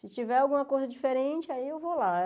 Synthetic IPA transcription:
sɪt͡ʃivɛawɡũmɐkojzɐd͡ʒifeɾẽt͡ʃɪaiewvola

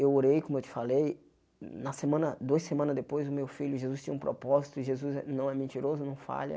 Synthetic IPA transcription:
ewoɾejkõmʊewt̪ɪ̥falej | nɐsemɐ̃nɐd̪oɐsemɐ̃nɐzd̪epojzʊmewfiʎʊʒezust͡ʃ̪ĩɲɐũpɾo̰pɔzit̪ʊɪʒezuzɛnɐ̃w̃ɛmẽnt͡ʃ̪iɾozʊnɐ̃w̃fa̰ʎɐ̰

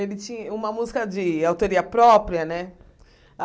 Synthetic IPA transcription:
elɪt͡ʃĩɲɐũmɐmuzikɐd͡ʒɪawt̪oɾiɐpɾɔpɾiɐnɛ

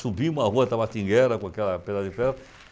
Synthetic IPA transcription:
subĩmʊahuɐt̪avat̪ĩŋɡɛɾɐkõakɛlɐped̪ad̪ɐɪfɛ

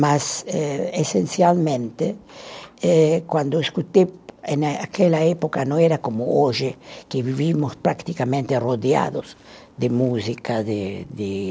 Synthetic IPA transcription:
masɛesensjalmẽnt̪e | ɛkwand̪oeskut̪eenaa̰kelaepokanõeɾakomooʒekeβiβimospɾakt̪ikamẽnt̪eroðja̰ðoz | d̪emuzikaðed̪e

